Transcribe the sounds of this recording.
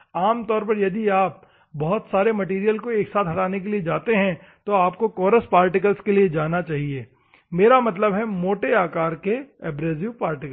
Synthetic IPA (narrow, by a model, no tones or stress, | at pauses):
aːmt̪ɔːɾpɐɾjɐd̪iaːp̚ | bɔɦʊt̪saːɾemɐʈiːɾijəlkoeːksaːt̪ɦɐʈaːnek̬elied͡ʒaːt̪eɦɛ̃ | t̪oaːpkokɔːɾəspaːɾʈɪk̬əlskelied͡ʒaːnat͡ʃaːɦieː | meːɾamɐt̪̬ləbɦɛmoːʈeaːkaːɾkeɛːbɾeːziʋpaːɾʈɪkə